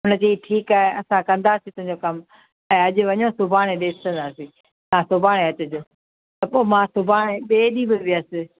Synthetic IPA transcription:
ɦʊnəd͡ʑiːʈʰiːkaːɦɪɐsãkɐ̃nd̪aːsit̪ʊ̃ɦɪ̃ɲd͡ʑokɐm | ɛ̃ːɐʄɪ̆ʋɐɲõsʊbʱaːɽ̃ẽɗeːst̪ʰə̃nd̪aːsĩ | sãːsʊbʱaːɽ̃eɐt͡ɕʊd͡ʑoː | t̪ɐpoːmãːsʊbʱaːɽ̃eɓeːɗibɪʋɪəsɪ

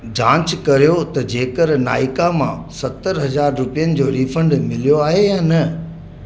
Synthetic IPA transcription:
d͡ʑãːt͡ɕkɐɾijot̪ɐd͡ʑeːkəɾna̰ːɪkamãsɐt̪ːəɾɦɐzaːɾːʊpijənɪ̆d͡ʑoːɾiːfə̃ɳɖmɪlijoaːɦejãːnɐ

